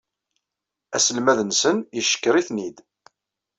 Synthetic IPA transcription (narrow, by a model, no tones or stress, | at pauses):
æsəlmæðənsənjəʃːə̥kːɾiθnid̪